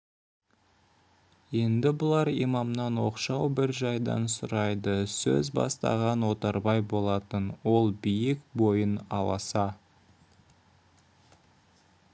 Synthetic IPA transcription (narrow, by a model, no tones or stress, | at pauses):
je̞nd̪ɪbʊlˠɑɾḭmɑmnɑnwo̞qʃɑwbɪɾʒɑjd̪ɑ̰nsʊɾɑjd̪əsɵ̰zbɑ̰st̪ɑ̰ʁɑnwo̞t̪ɑɾbɑjbo̞lˠɑt̪ənwo̞lˠbijɪkbo̞jənɑlˠɑ̰sɑ